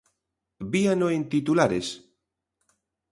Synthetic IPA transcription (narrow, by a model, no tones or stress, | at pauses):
bianoẽnt̪it̪ulaɾes